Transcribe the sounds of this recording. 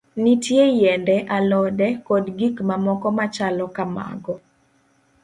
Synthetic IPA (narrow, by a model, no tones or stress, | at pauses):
nitjejɛndɛʔalɔdɛkɔdɡikmamɔkɔmat͡ʃalɔkama̰ɡɔ